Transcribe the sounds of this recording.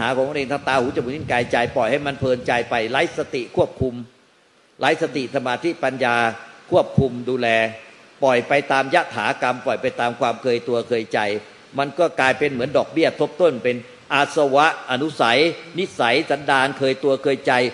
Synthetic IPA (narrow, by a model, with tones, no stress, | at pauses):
a˧haː˩˦kɔː˨˩˦ŋma˧˥˨ʔeː˧ŋʰaː˧˩t̪aː˧huː˨˦˥t͡ɕa˧muː˧ni˥˩kaː˧jt͡ɕa˧jpɔ˨˩jha˥˩jma˧npʰɤː˧nt͡ɕa˧jpa˧jla˦˥jsa˧t̪i˨˩kʰu˥˩əp̚kʰu˧m | la˦˥jsa˧t̪i˨˩ʔsa˧maː˧t̪ʰi˦˥pa˧njaː˧kʰu˥˩əp̚kʰu˧mduː˧lɛː˧ | pɔ˨˩jpa˧jt̪aː˧mja˦˥t̪ʰːaː˩˦ka˧mpɔ˨˩jpa˧jt̪aː˧mkʰwaː˧mkʰɤː˧jt̪u˧ɐkʰɤː˧jt͡ɕa˧j | ma˧nkɔː˥˩klaː˧jpe˧nmɯ˩˦əndɔː˨˩k̚bi˥˩ɐt̪ʰo˦˥p̚t̪o˥˩npe˧n | ʔa˧˩sa˧wa˦˥ʔʔa˧nu˦˥sa˩˦jni˦˥sa˩˦jsa˨˦ndaː˧nkʰɤː˧jt̪u˧ɐkʰɤː˧jt͡ɕa˧j